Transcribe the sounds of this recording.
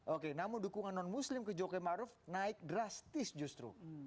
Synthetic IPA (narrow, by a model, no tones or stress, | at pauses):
ʔokenamʊndukuŋanːɔnmuslɪmkəd͡ʒokɛmaɾʊfnaɪk̚dɾast̪ɪsd͡ʒust̪ɾṵ